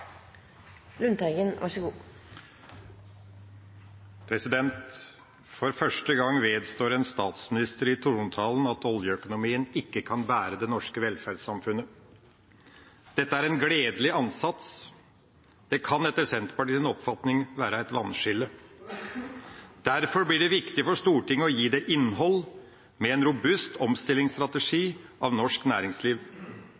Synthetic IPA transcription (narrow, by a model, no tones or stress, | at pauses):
lʉnt̪ʰɑɪɡənʋʔɑ̰ʂəɡuː | pʰɾɛsɪd̪ɛnt̪ | fɔɾfœʂʈəɡɑŋːʋeːd̪st̪oːɾɛnst̪ɑːt̪smɪnɪst̪əɾɪt̪ʰuːnt̪ʰɑːlənɑt̪ɔljəœkʊnʊmiːənɪkːəkʰɑnbæːɾəd̪ɛnɔʂkəʋɛlfæɾɖsɑmfʉnə | d̪̥ɛt̪ːəæɾɛnɡɽeːd̪lɪɑnsɑt̪s | d̪̥ɛkʰɑnɛt̪ːəɾsɛnt̪pɑʈiːsɪnɔpfɑt̪nɪŋʋæːɾəæɪt̪ʋɑnʂɪlːə | d̪̥æɾfɔɾblɪɖɛʋɪkt̪ɪfɔʂt̪uːʈɪŋːəɔjiːd̪ɛʔɪnːɦɔl | mɛɛnɾʊbʉst̪ʰɔmst̪ɪlːɪŋst̪ɾɑt̪əʂiːʔɑʋnɔʂknæːɾɪŋsliːʋ